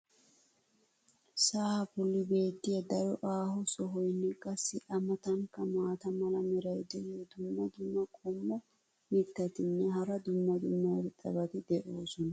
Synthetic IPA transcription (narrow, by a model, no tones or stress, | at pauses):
saːhɐfʊlːɪbe̞ːt̪ːɪjɐd̪ɐɾɔʔaːhɔsɔɦɔjnːɛkʼɐsːɪʔɐmɐt̪ɐŋkɐmaːt̪ɐmɐlɐmɛɾɐjd̪ɛld̪ʊmːɐd̪ʊmːɐkʼɔmːɔ | mɪkːɐt̪ɪnːɛɦɐɾɐd̪ʊmːɐd̪ʊmːɐɾtʼːɐ̰bɐt̪ɪd̪ɛʔoːsɔnɐ